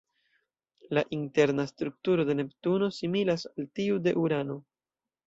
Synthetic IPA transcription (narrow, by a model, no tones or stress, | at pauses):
laʔinte̞ɾnastɾuk̚tuɾo̞de̞ne̞ptuno̞similasaltiude̞̰ʔuɾano̞